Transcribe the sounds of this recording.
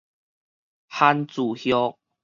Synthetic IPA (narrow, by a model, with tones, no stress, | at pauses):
ha˦nt͡su˨˩hjɔ˦k̚